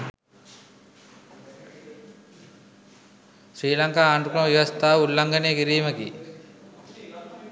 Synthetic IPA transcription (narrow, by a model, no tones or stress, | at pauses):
sɾiːlaŋkaːnukɾməʋiʋɐst̪ʰaːulːaŋɡənekiɾiːməkḭ